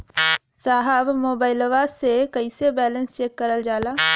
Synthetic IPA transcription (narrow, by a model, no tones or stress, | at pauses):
saːɦəʋmoːbaːɪlʋasekəisebɛːlə̃nst͡ʃeːkːəɾəld͡ʒaːlaː